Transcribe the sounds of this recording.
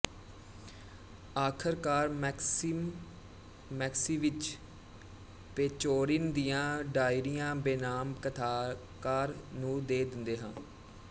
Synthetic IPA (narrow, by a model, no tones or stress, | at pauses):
aːkʰəɾkaːɾs | mɛːksiːʋɪt͡ʃ | peːt͡ʃoːɾɪnd̪ijãːɖaːɪɾijãːbeːnaːmkət̪ʰaː | kaːɾnũːd̪eːd̪ɪnd̪eːɦãː